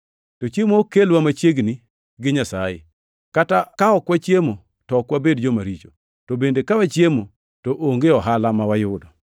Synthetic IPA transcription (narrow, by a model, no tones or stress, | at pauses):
tot͡ʃjemokelwamat͡ʃjeɡni | ɡɪɲasajḛ | katakaɔkwat͡ʃjemo | tɔɔkwabedd͡ʒomaɾit͡ʃo̥ | tobendekawat͡ʃjemo | toʔoŋɡeɔɦalamawajʊdɔ